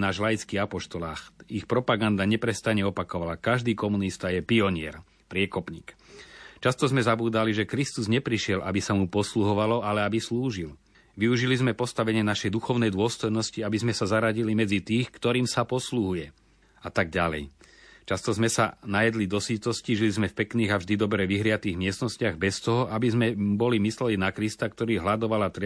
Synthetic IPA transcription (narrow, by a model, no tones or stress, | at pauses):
naːʒlajit͡skiːapɔʃt̪ɔlaːxixpɾɔpaɡand̪aɲɛpɾɛst̪aɲɛɔpakɔʋalakaʒd̪iːkɔmunist̪ajɛpiɔɲɪɛ̰ɾ | pɾɪɛkɔpɲḭːkt͡ʃast̪ɔzmɛzabuːd̪aliʒɛkɾist̪uzɲɛpɾiʃɪɛlʔabisamupɔsluɦɔʋalɔalɛabisluːʒil | ʋiuʒilizmɛpɔst̪aʋɛɲɪɛnaʃɛjd̪uxɔʊnɛjd̪ʊɔst̪ɔjnɔsciabizmɛsazaɾaɟilimɛd͡zit̪iːxkt̪ɔɾiːmsapɔsluɦujɛ | at̪aɡ̚ɟalɛ̰j | t͡ʃast̪ɔzmɛsanajɛd̪lid̪ɔsit̪ɔsciʒilizmɛfpɛkniːɣavʒd̪id̪ɔbɾɛʋiɦɾɪat̪iːɣmɪɛst̪nɔscɪaɣbɛst̪ɔɦɔʔabizmɛbɔlimislɛlinakɾist̪akt̪ɔɾiːɦlad̪ɔʋalat̪ɾ